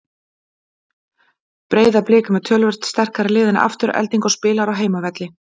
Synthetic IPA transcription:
pɾeːjðaplɪːkʏmɛt̪ʰœːlvɛr̥t̪st̪ɛr̥kaɾɪlɪːðɪna̰ʔa̰ft̪ʏɾɛ̰lt̪iŋkɔspɪːlaɾawɦeːjmavɛt̪lɪ

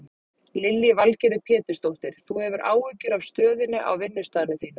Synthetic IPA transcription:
lɪlːɪvalcɛɾðʏpʰɛːt̪ʏ̥st̪owht̪ɪɾ̥θuhɛvʏɾʔa̰ːwʏcʏɾavst̪œːðɪnːɪʔa̰wvɪnːʏst̪aːnɪθiːna

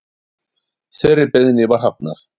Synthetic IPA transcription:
θɛɾːɪpɛðnɪvaɾ̥ɦap̚naθ

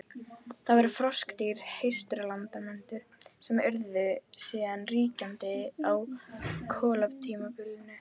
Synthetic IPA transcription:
θavɛɾʏfɾɔskt̪iɾ̥hejst̪ɾʏlant̪amɛnt̪ʏɾ̥sɛmʏɾðvʏsiːðanriːcant̪ɪawkʰɔːlapt̪ʰiːmapʏɾðɪnːʏ

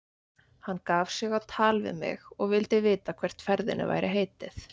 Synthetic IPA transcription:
hanːkaːv̥sɪɣawt̪ʰaːlvɪ̰mɪ̰ɣɔɣvɪlt̪ɪvɪːt̪akʰvɛr̥t̪fɛɾðɪ̰nɪ̰va̰jɾɪɦeːjt̪ɪθ

